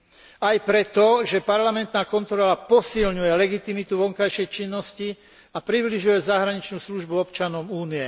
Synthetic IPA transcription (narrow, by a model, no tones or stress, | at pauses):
ajpɾɛt̪ɔʒɛpaɾlamɛnt̪naːkɔnt̪ɾɔlapɔsilɲujɛlɛɡit̪imit̪uʋɔŋkajʃɛjt͡ʃinːɔsci | apɾibliʒujɛzaɦɾaɲit͡ʃnuːsluʒbuɔpt͡ʃanɔmuːniɛ